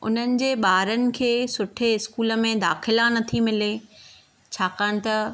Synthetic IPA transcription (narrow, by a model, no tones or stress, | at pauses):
ʊ̰n̤ənɪ̆d͡ʑeːɓaːɾənɪ̆kʰeːsʊʈʰeɪskuːlə̆mẽd̪aːxɪlanɐt̪ʰimɪle | t͡ɕʰaːkaːɽ̃̆t̪ɐ